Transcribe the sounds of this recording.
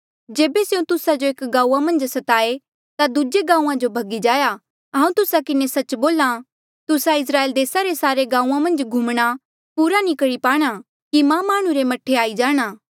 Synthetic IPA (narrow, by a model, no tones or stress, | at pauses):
d͡ʒeːbeseũt̪ʊsad͡ʒoeːkɡãːuːamɐ̃nd͡ʒsɐt̪aːe | t̪ad̪ʊd͡ʒeɡãːũãd͡ʒobʱɐɡid͡ʒaːja | ɦãːũt̪ʊsakɪnesɐt͡ʃboːla | t̪ʊsaɪs̬ɾaːeːld̪eːsaɾesaːɾeɡãːũãmɐ̃nd͡ʒɡʱuːmɽ̃a | puːɾanĩkɐɽipaːɽ̃a | kimãmaːɽ̃ũɾemɐʈʰeaːid͡ʒaːɽ̃aː